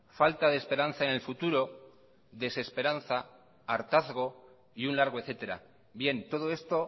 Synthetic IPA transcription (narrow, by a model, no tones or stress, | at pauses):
falt̪aðespe̞ɾan̟θaenelfut̪uɾo̞ | ðe̞se̞spe̞ɾan̟θaː | ɾt̪aθɣo̞ | iunlaɾɣ̞oe̞θe̞t̪e̞ɾa̰ | bje̞nt̪o̞ð̞o̞e̞st̪o̞